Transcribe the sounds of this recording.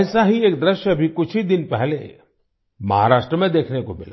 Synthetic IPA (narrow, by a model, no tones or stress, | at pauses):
saɦieːk̚d̪ɾɪʃjəɐbʱikʊt͡ʃʰid̪ɪnpɛɦlḛ | mɐɦa̰ɾaːʃʈɾəmẽd̪eːkʰnekomɪla̰